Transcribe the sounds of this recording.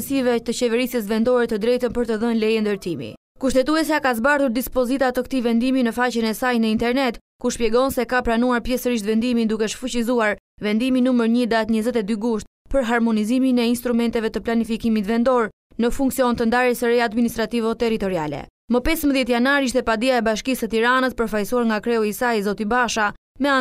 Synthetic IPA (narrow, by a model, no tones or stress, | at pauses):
sivɛt̪ət͡ɕɛvɛɾisjəs̬vɛnd̪ɔɾɛt̪əd̪ɾɛjt̪əmpəɾt̪əðənlɛjənd̪əɾt̪imḭ | kuʃt̪ɛt̪uɛs̬akazbaɾðuɾd̪ispɔzit̪at̪əkt̪ivɛnd̪iminəfat͡ɕənɛsajnəint̪ɛɾnɛt̪ | kuʃpjɛɡɔnsɛkapɾanuaɾpjɛsəɾiʃ̬t̪vɛnd̪imind̪ukɛəʃfut͡ɕizuaɾ | vɛnd̪iminuməɾɲəd̪at̪ɲəzɛt̪ɛd̪yɡuʃt̪̚ | pəɾɦaɾmɔniziminɛinst̪ɾumɛnt̪ɛvɛt̪əplanifikimit̪vɛnd̪ɔɾ | nəfuŋksiɔnt̪ənd̪aɾɛsəɾɛjad̪minis̬t̪ɾat̪ivɔt̪ɛɾit̪ɔɾia̰lɛ̰ | məpɛsməðjɛt̪̬janaɾiʃ̬t̪ɛpad̪iaɛbaʃkisət̪iɾanəspəɾfajsuaɾŋɡakɾɛɔisajzɔt̪ibaʃa | mɛa